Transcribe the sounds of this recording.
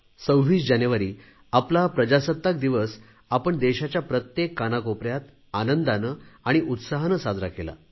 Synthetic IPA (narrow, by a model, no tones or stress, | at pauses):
səwʋiːsd͡ʑanjuʋaɾiː | aplapɾəd͡ʑasət̪ːak̚d̪iʋəs | apəɳd̪eɕat͡ɕjapɾət̪jekːanakopɾjat̪ | anənd̪anəːaɽ̃iʔut̪saɦnəsad͡zɾakela̰